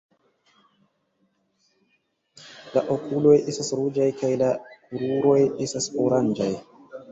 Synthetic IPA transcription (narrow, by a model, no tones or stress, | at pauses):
laʔokulo̞jʔe̞stasɾud͡ʒajkajlakuɾuɾo̞je̞stasoɾand͡ʒaj